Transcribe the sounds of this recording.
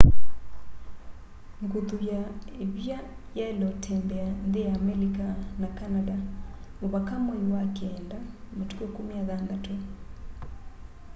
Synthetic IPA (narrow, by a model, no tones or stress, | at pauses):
ŋɡutujaeβja | jalɔtʰɛmbɛandejaːmɛlikanakanadaoβakamɔiwakɛndamotukokumiaðandato